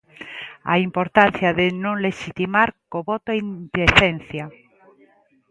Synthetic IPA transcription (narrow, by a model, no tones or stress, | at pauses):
a̰impoɾt̪an̟θjaðenõŋleʃit̪imaɾkoβot̪oind̪eθenθja